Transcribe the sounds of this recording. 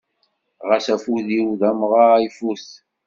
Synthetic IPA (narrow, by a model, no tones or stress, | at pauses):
ʁəsæfuðiwðæmʁaifuθ